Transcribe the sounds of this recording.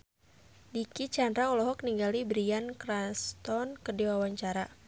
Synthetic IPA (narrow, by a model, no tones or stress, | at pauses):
dikit͡ʃandɾaɔlɔɦɔk̚niŋɡalibɾiankɾast̪ɔnkədiwawaɲt͡ʃaɾa